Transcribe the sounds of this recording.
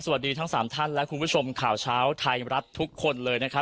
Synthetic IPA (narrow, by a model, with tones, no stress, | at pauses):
sa˨˩a˨˩t̪̚diː˧t̪ʰa˦˥ŋsaː˩˦mt̪ʰa˥˩nlɛ˦˥ʔkʰu˧npʰu˦˥t͡ɕʰo˧mkʰaː˨˩wt͡ɕʰaː˦˥wt̪ʰa˧jɾa˦˥t̪ʰːu˦˥kʰːo˧nlɤː˧jna˦˥kʰa˦˥